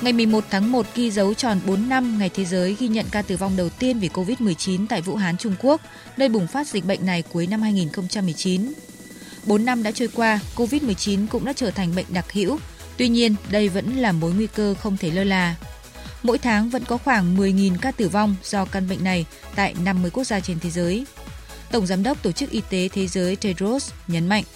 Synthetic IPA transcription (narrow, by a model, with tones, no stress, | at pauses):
ŋa˨˩jmɨ˨˩əjmo˨˩t̚t̪ʰaː˨˦ŋmo˨˩t̚ɣi˧zə˨˦wt͡ɕɔ˨˩nɓo˨˦nːa˧mŋa˨˩jt̪ʰe˨˦zəː˨˦jɣi˧ɲə̰˧˨nkaː˧t̪ɨ˧˩va˧wŋ͡mɗə˨˩wt̪i˧ənvi˨˩ko˧vi˦˥t̚mɨ˨˩əjt͡ɕi˨˦nt̪a̰ː˧˨jvṵ˧˥ɦaː˨˦nt͡ɕʊ˧ŋ͡mku˦˥ək̚ | nəː˧jɓʊ˨˩ŋ͡mfaː˦˥t̚z̥ï̟˨˩ɓə̰˧˨ŋ̟na˨˩jku˨˦əjna˧mhaː˧jŋi˨˩nxə˧wŋ͡mt͡ɕa˧mːɨ˨˩əjt͡ɕi˨˦n | ɓo˨˦nːa˧mɗa̰ː˧˥t͡ɕɔː˧jkwaː˧ko˧vi˦˥t̚mɨ˨˩əjt͡ɕi˨˦nkʊ̰˧˥ŋ͡mɗa̰ː˧˥t͡ɕəː˧˩t̪ʰa˨˩ŋ̟ɓə̰˧˨jŋ̟ɗa˨˩k̚hḭ˧˥w | t̪wi˧ɲi˧ənɗə˧jvə̰˧˥nlaː˨˩mo˨˦jŋwi˧kəː˧xə˧wŋ͡mt̪ʰe˧˩ləː˧jlaː˨˩ | mo̰˧˥jt̪ʰaː˨˦ŋvə̰˧˥nkɔ˨˦xwaː˧˩ŋmɨ˨˩əjŋi˨˩nkaː˧t̪ɨ˧˩va˧wŋ͡mz̥ɔ˧ka˧nɓə̰˧˨jŋ̟na˨˩j | t̪a̰ː˧˨jna˧mːɨ˧əjku˦˥ək̚zaː˧t͡ɕe˧nt̪ʰe˨˦zəː˨˦j | t̪ə˧˩wŋ͡mzaː˨˦mɗə˦˥wk͡p̚t̪o˧˩t͡ɕɨ˦˥k̚ʔi˧t̪e˨˦t̪ʰe˨˦zəː˨˦jte˧ɾo˦˥sɲə˨˦nma̰˧˨jŋ̟ʔ